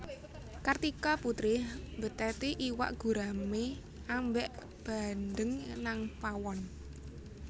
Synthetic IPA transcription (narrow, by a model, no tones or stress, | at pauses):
kart̪ikɔput̪ɾɪhmbə̤t̪ɛt̪iʔiwa̰ʔɡ̥ṳɾame | ambɛʔ | b̥a̤nd̪əŋnaŋpawɔn